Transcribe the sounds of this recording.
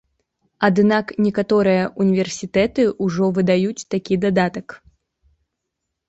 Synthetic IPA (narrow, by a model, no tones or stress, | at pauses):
ad̪naknʲɛkat̪ɔɾɨjɐʔunʲivʲɛrsʲit̪ɛt̪ɨuʐɔvɨd̪ajut͡sʲt̪akʲid̪ad̪at̪ɐk